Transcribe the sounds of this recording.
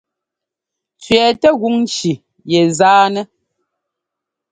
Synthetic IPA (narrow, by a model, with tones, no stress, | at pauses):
t͡sɥɛː˨tɛ˦ɣu˦ŋ˦ʃi˨ | jɛ˨zaː˦nɛ˦